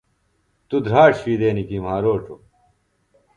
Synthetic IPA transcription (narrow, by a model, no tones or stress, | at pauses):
t̪ud̪ʱɾaːʂʋiːd̪eːnikimaːɾoːʈ͡ʂo